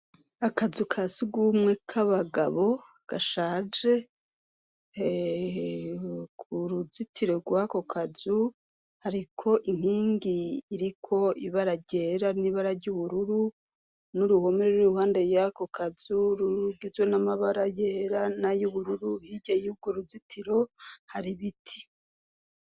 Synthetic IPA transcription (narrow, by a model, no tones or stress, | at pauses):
akazukʰasiɡumŋe̞kʰaβaɡaβo̞ | ɡ̥aʃaːd͡ʒe̞ | kʰuɾuzitʰiɾeɡwako̞kʰazu | haɾikʰo̞ʔiŋ̥hiːŋɡiːɾikʰo̞iβaɾaɟe̞ːɾaniβaɾaɾɟuβuɾuɾu | nuɾuho̞meɾeuɾuhaːndejako̞kʰaz̥uɾuɾuɡizwe̞namaβaɾajeɾanajuβuɾuɾuhiɟajuːb̚ɡoɾuzitʰiɾo̞haɾiβitʰi̥